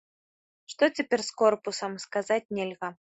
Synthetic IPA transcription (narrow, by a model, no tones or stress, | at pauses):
ʂt̪ɔt͡sʲɛpʲɛrʲskɔrpusɐmskazat͡sʲnʲɛlʲɣɐ